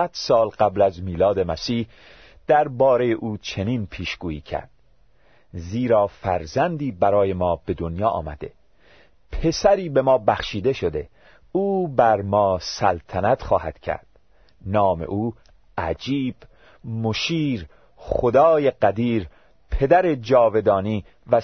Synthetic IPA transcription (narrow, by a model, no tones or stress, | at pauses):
æd̪̥sɒːlɢæblæzmiːlɒːd̪e̞mæsiːh | d̪̥æɾbɒːɾe̞jeʔuːt͡ʃʰe̞niːnpʰiːʃɡ̥uːḭːcʰæ̰ɾd̪̥ | ziːɾɒːfæɾzænd̪iːbæɾɒːje̞mɒːbe̞d̪onjɒːʔɒ̰ːmæ̰d̪e̞̰ | pʰe̞sæɾiːbe̞mɒːbæxʃiːd̪e̞ʃo̞d̪e̞ | uːbæɾmɒːsælt̪ʰænæt̪χɒːhæd̪̥cʰæ̰ɾd̪̥ | nɒːmḛʔuː | æd͡ʒiːb̥ | moʃiːɾ | χod̪ɒːjeɡæd̪iːɾ | pʰe̞d̪æɾe̞d͡ʒɒːve̞d̪ɒːniː | væ